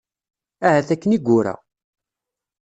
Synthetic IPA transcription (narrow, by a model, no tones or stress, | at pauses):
æhæθækːəniɡʷːʊɾæ̰